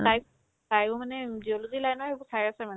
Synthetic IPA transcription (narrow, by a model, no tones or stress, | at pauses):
laj | tajbɔmanɛd͡ʒiɔlozilajnɔaebɔsaɹiasɛmanɛ